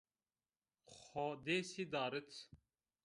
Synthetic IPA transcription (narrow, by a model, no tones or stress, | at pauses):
xɔd̪eːsid̪aːɾɨt̪